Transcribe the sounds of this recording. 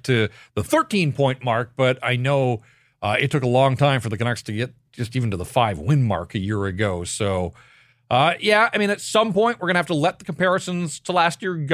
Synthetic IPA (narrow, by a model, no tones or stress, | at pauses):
tʰɨðəθɜ˞tʰĩnpʰɔ̃ɪ̃nʔmɑɹk̚b̥ʌɾa̰ɪnoʊ | ʌɨtʰʊkəlɔ̃ŋtʰãɪ̃ɱfə˞ðɨkʰɨnɛkstʰɨɡɛt̚d̥ʒ̥ʌstivn̩tɨðəfaɪvwɪ̃nmɑ̰ɹkɨjɪɹɨɡoʊsoʊ | ʔʌjæaɪmĩnɨtsʌ̃mpɔ̃ɪ̃nʔwəɹɡʌ̃nɨhæftəlɛt̪̚ðəkm̩pɛɹɨsɨ̃nz̥tʰəlæst̚jɪɹɡ